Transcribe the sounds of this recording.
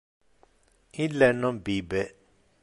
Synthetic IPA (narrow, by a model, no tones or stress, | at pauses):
ĩlɛnɔ̃bibɛ